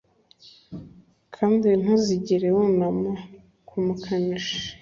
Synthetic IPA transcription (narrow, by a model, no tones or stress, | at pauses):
kʰaːndin̥haziɟiɾewunama | kʰumukʰaniʃ